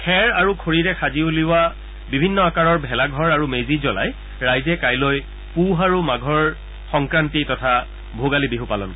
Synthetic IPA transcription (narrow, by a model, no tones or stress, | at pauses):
kʰɛɹaɹukʰoɹiɹɛxʰaziuliʊwa | bibʱinːɔakaɹɔɹbʱɛlaɡʱɔɹaɹumezizɔla̰j | ɹajzɛkajloj | puɦaɹumaɡʱɔɹ | xɔŋkɹantitɔtʰa | bʱoɡalibiɦupalɔ̰nk